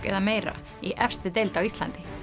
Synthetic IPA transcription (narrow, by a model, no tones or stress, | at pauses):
kɛ̰ðameːjɾa̰ | iʔɛfst̪ʏt̪̬ejlt̪awist̪la̰nt̪ɪ̥